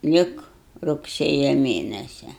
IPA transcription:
ˈlʲɪk rʊkˈsʲeːjɛ ˈmʲeːnʲɛsʲɛ

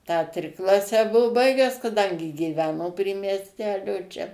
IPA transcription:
tɑː ˈtʲrʲɪklˠɐsʲæː ˈbʊʋʊ ˈbɐɪɡʲæːs kɐˈdɐŋʲɡʲɪ ɡʲiːˈʋʲæːnoː pʲrʲiɛ mʲiɛsʲˈtʲæːlʲoː t͡ʃʲɛ

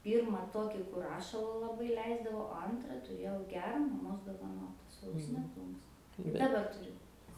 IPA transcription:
ˈpʲiːrmɐ ˈtoːkʲɪ kʊr ˈrɑːʃɐlˠɐ lˠɐˈbɐɪ ˈlʲɛɪzdɐʋoː oː ˈɐntrɐ tʊˈrʲeːjɛʊ ˈɡʲæːrɐ mɐˈmoːs doːʋɐˈnoːtɐ sʊ ɐʊkˈsʲɪnʲɛ ˈplˠʊŋks dɐˈbɐ tʊˈrʲʊ

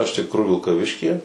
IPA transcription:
ɪʃ tʲɪkˈruːjuː ʋʲɪlˠkɐˈʋʲɪʃʲkʲiːjɛ

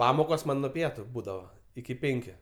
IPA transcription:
ˈpɑːmoːkoːs ˈmɐnʲ nuɔ ˈpʲiɛtʊ ˈbuːdɐʋɐ ɪkʲɪ ˈpʲɛŋʲkʲʊ

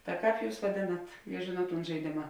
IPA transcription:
tɐ ˈkɑːp ˈjuːs ʋɐˈdʲeːnɐt jɛ ˈʒʲeːnuɔt ˈtuːn ʒɐɪˈdʲeːmɐ

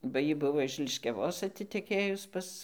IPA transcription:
bɐ ˈjiː ˈbʊʋoː ɪʃ lʲɪʃʲkʲɛˈʋoːs ɐtʲɪtʲɛˈkʲeːjʊs ˈpɐs

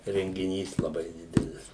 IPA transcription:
rʲɛŋʲɡʲɪˈnʲiːs lˠɐˈbɐɪ ˈdʲɪdʲɛlʲɪs

